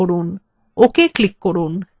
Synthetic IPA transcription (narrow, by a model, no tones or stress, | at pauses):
oɾun | okeklikːoɾun